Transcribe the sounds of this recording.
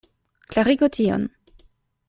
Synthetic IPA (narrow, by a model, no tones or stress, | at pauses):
klaʁiɡot̪ʰio̰n